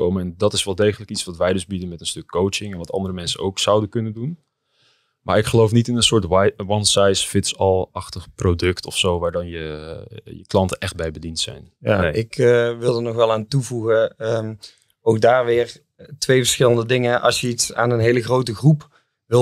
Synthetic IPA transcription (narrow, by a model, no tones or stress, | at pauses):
o̰wməɛndɑtɪsʋɛlˠdejχələkitsʋɑtʋɛjdʏzbidənmɛtənstɵkːowt͡ʃɪŋɛnʋɑtʰɑ̰ndəɾəmɛnsənowksawdənkɵnəndun | maːɹɪkχəlowfnitɪnənsʊːɹtwɑnsajsfɪtsɑlˠɑχtəχprodɵktɔfsowʋaːɹdɑnjə | jəklɑntənʔɛχt̚bɛjbədintsɛ̰jnjanɪkʋɪlˠdəɹnɔxʋɛlˠaːntuvuɣəəm | owk̚daːɹʋɪːr | tʋejvəɹsxɪləndədɪŋənʔɑ̰lˠsjəitsa̰ːnənɦejləɣrowtəɣrup | ʋɪ